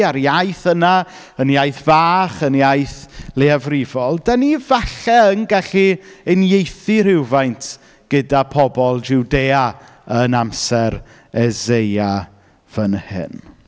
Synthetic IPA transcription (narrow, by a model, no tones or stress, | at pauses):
aɾjajθəna | ənjajθvaːχənjajθleavrɪvɔlˠdanivaɬɛəŋɡaɬiənjejθiɾɪwvajntʰ | ɡ̥ədapʰɔbɔlˠd͡ʒuwdeːa | ənamsɛɾ | ɛzeja | v̥ənhɪ̰n